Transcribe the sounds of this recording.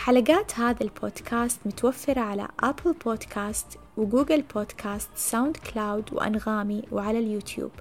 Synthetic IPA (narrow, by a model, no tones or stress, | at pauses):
ħalaɡaːt̪haːðalbʰoːd̪̥kʰaːst̪mʊt̪awafːɪɾˤɑʕala̰ʔaplboːd̪kʰaːst̪ | wɪɡuːɡɪlboːd̪kʰaːst̪sawnd̪klaːwd̪wɪ̰ʔa̰nɣaːmiwɪʕalaljuːt̪jṵːb̥